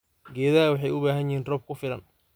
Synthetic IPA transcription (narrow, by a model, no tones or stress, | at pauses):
ɡɛːðɐɐwɑħɑjʊβaːɦɐnjɪhiːnrɔːb̚kʰʊfɪlɐ̰n